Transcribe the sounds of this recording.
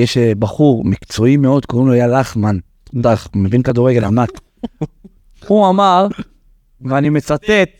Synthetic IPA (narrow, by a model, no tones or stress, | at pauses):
jeʃbaχuʁmikt͡so̞imeo̞d̪koʁimloajalaχman | d̪aχumevinkad̪uʁeɡelamat | huamaʁ | veanimet͡sat̪et̪̚